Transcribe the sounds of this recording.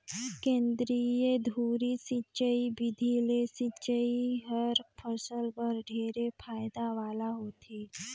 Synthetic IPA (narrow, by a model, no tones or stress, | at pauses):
kẽnd̪ɾijed̪ʱuɾisit͡ɕəibid̪ʱilesit͡ʃəiɦəɾpʰəsəlbəɾɖʱeɾepʰajd̪aʋalaɦot̪ʰe